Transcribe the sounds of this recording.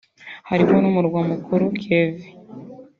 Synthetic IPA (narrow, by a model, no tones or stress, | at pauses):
haɾimonumuɾɡwamukʰuɾukevi